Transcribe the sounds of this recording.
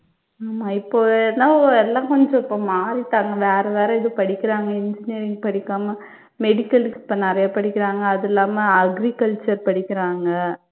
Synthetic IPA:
aːmaːɪpːoːɛnaːɛlːãːkɔɲd͡ʒɔ̃ɪpːoːmaːɾɪt̪ːaːŋɡɐʋeːɾɐʋeːɾɐɪðɯpɐɽɪkːɪɾaːŋɡɐɪɲd͡ʒɪnijɐɾɪŋɡpɐɽɪkːaːmɐ | mɛɽɪkːɐlɪsɪ̥pːɐnɪɾɐjapɐɽɪkːɪɾaːŋɡɐːðɛlːaːmɐɐɡɾɪkɐlt͡ʃɐɾpɐɽɪkːɪɾaːŋɡɐ

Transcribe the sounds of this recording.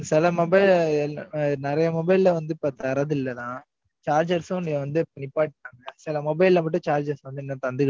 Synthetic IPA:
sɛlɐmɔbɐɪl | nɪɾɐjɐmɔbɐɪlɪlɐʋɐnd̪ɯɪpːɐt̪ɐɾɐðɯɪɪlːɐlãː | t͡ʃaːɾd͡ʒɐɾsʊ̃nĩŋɡɐʋɐnd̪ɯɪpːɐnɪpːaːʈɪʈːaːŋɡɐsɛlɐmɔbɐɪlːɐmɐʈːɯ̃t͡ʃaːɾd͡ʒɐɾsʋɐnd̪ɯɛnːɐt̪ɐnd̪ɯk

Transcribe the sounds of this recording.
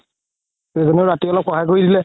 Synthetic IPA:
ezɔneʊɹatiɔlɔp̚xɔɦajk̬oɹidilɛ

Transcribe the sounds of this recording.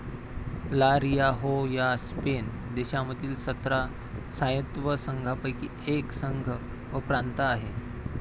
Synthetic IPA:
laɾijaɦojaspen | d̪eɕaməd̪ʱiːlsət̪ɾa | sajət̪ʋəsəŋɡʱapəjki | eksəŋɡʱə | ʋəpɾant̪əaɦe

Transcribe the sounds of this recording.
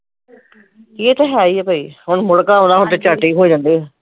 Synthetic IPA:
kieːt̪ẽɦɛaːiːɛːpaːiːɦʊɳmʊɽkaːɦõːd̪aːɦʊ̃ɳt̪eːt͡ʃaːʈiːɦoːiːd͡ʒãːnd̪eːɛː

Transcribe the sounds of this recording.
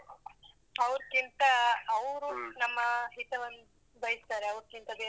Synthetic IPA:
ɐʋɾkint̪ɐːʋɾunɐmːɐɦit̪ɐʋɐnː | bɐjist̪aːɾeɐʋɾkint̪ɐbeː

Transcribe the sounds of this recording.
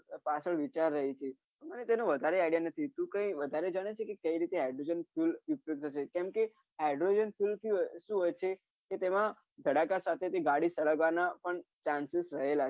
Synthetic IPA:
pasʰəɭʋit͡ʃaɾːəɦit͡ʃʰe | mənet̪enoʋəd̪ʱaɾeajɽijanət̪ʰit̪ũkə̃ĩʋəd̪ʱaɾed͡ʒaɽ̃et͡ʃʰekekəiɾit̪eaɖɾod͡ʒənfʰjulʋupjok̚t̪ʰəʃekɛ̃mke | aɖɾod͡ʒənfʰjulkiʃũɦət͡ʃʰe | ket̪emã | d̪ʱəɽakasat̪ʰet̪eɡaɽisəɭəɡʋanapəɳt͡ʃansisɾəɦela

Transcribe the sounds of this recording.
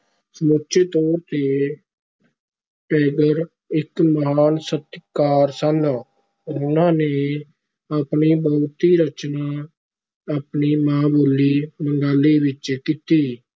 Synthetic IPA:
səmʊtʃʰeːt̪ɔːɾt̪eː | ʈɛːɡəɾ | ɪkməɦaːnsət̪kaːɾsən | ʊnãːneː | aːpniːbəʊt̪iːɾət͡ʃnaː | aːpniːmãːboːliːməŋɡaːliːʋɪt͡ʃkiːt̪iː

